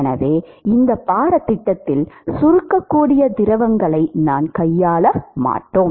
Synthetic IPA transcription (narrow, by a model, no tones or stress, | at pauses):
nɐ̰ʋeːɪnd̪ɐpːaːɾɐt̪ːɪʈːɐt̪ːɪlsʊɾɯkːɐkːuːɽɪjɐd̪ɪɾɐʋɐŋɡɐɭɐɪnaːnkɐjːaːɭɐma̰ːʈːoːm